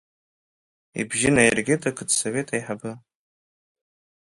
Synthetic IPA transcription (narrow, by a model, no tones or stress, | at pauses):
ḭbʒɪnajɪrɡʲɪtʰʼakʰɨdsovetʰʼajħabɨ